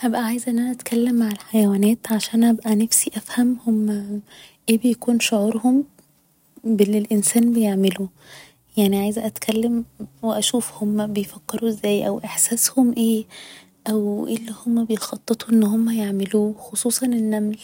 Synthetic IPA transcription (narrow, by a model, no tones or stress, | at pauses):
ʔæbʔæʕaːjezʔenʔænæʔæt̪kʰælːemːaʕelħajæwæːnæːt̪ʕaʃæːæːnʔæbʔænæfsiʔæfhæmhom | ʔeːbejækuːnʃoʕuːɾˤhom | belːilʔensæːnbejeʕmelu | jaʕniʕajzʔæt̪kʰælːemweʔæʃuːfhomːæbejfækːeɾuʔezːæːjʔæwʔeħsæːshomʔeː | ʔæwʔelːihomːæbejxɑt̪ˤːet̪ˤuʔenːhomːæjeʕmeluːxosˤuːsˤɑnenːæml